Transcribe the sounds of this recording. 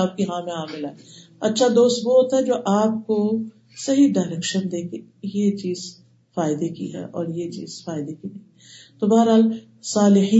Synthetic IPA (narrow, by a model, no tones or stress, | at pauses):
aːp̚kiɦãːmeaːmɪlaeɐtːʃʰad̪oːst̪bɔoːt̪aɦɛd͡ʒoːʔaːp̚ko | sɐɦiɖaːɪɾɛːkʃənd̪eːkejet͡ʃiːz | faːɪd̪ekiɦɛ̰ːʔɔːɾjet͡ʃḭːz̥faːɪd̪ekinɐ̃ĩ | t̪obaːəɾɦaːl | saːlɪħiː